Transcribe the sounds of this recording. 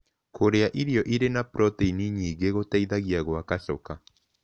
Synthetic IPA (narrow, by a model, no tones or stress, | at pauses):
kʰoɾeaʔiɾiɔʔiɾenapɾʔɔteiniɲiːɣeɣotaiðaɣiaɣwakaʃɔka